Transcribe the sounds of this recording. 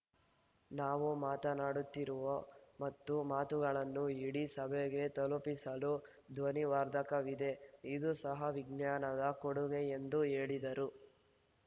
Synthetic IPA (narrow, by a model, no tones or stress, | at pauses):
naːʋumaːt̪ɐnaːɽut̪ːiɾuʋɐmɐt̪ːumaːt̪uɡɐɭɐnːuiɽisɐbʱɛɡe̞t̪ɐlupisɐlu | d̪ʋɐniʋaːɾd̪ʱɐkɐʋid̪e̞id̪usɐɦɐʋiɡnjaːnɐd̪ɐkoɽuɡeend̪ueːɭid̪ɐɾu